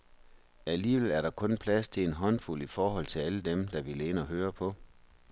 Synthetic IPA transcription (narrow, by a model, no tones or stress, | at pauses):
æliːʋelæɐɾɑ̈kʰɔ̽npʰlæst͡sʰe̝enɦɒ̽n̰fulifɒːɦɒ̽l̰t͡sʰe̝æləd̥emd̥ɑ̈ʋilenɒɦøːɐpʰɒ̽